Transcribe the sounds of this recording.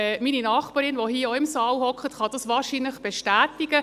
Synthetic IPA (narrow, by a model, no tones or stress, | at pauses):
ɛmininɑːχpɑːɾɪnʋoɦiːoɪmsɑːlhɔkχətχɑd̥̪ɑsʋɑːɾʃiːnləχb̥ɛʃtæːtɪɡə